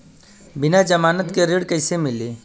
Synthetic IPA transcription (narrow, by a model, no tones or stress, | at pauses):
bɪnad͡ʒəmaːnət̪keɾeːɽkəɪsemɪliː